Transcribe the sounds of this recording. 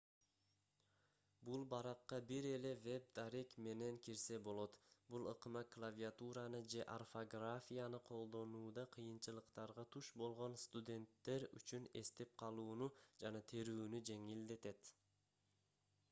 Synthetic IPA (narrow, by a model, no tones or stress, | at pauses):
bulˠbɑɾɑqːɑbiɾe̞le̞ve̞b̚d̪aɾekme̞ne̞ŋkiɾse̞bo̞lˠo̞t̪bulˠɯqɯmɑklˠavʲiat̪uɾɑnɯd͡ʒe̞ʔarfoɡrafʲijanɯqʰo̞lˠd̪o̞nuːd̪ɑqʰɯjɯnt͡ʃɯlˠɯqt̪ɑɾʁɑt̪ʰuʃbo̞lˠʁo̞nst̪ud̪ʲe̞nt̪ːe̞ɾy̰t͡ʃyne̞st̪e̞p̚qʰɑlˠuːnud͡ʒɑnɑt̪ʰeɾyːnyd͡ʒe̞ŋild̪e̞t̪e̞t̪